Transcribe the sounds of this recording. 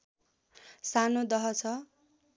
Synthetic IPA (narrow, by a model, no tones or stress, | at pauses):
sanod̪ʌɦʌt͡sʰʌ